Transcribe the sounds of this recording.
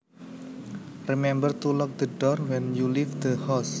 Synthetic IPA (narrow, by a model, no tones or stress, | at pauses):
rimɛmbərt̪ulɔk̚d̪əɖɔrwɛ̃njulifd̪əhas